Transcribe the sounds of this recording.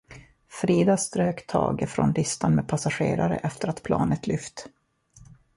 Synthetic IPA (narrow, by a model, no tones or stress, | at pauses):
fɾiːd̪ast̪ɾøːkt̪ʰɑːɡəfɾɔ̰nlʏst̪anmeːd̪̚pʰasaɧeːɾaɾə̰ʔɛft̪əɾat̪pʰlɑ̰ːnət̪ʰlʏft̪